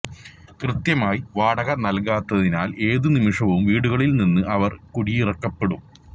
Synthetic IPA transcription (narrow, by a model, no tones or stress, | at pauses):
krɨt̪jɐmaːjʋaːɽɐɣɐnɐlkaːt̪ːɐðinaːlʔe̞ːðɨnimiʂɐʋumʋiːɽuɣɐɭilninːɨʔɐʋɐrkuɽijirɐkːɐpːe̞ɽum